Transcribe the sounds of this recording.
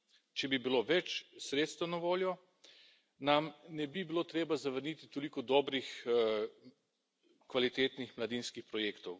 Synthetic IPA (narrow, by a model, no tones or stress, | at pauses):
t͡ʃɛbibiloʋɛt͡ʃsɾeːt̪st̪ɐnaʋoːljɔ | namnɛbibiloːt̪ɾeːbazɐʋəɾniːt̪it̪olikɔd̪ɔːbɾix | kʋalit̪eːt̪nixmlad̪inskixpɾɔjeːkt̪ɔw